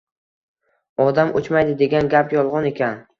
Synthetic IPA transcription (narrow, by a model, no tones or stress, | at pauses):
ɒd̪amot͡ʃmajd̪ɪd̪e̞ɡʲanɡʲapjɒlˠʁɒne̞kʲʰan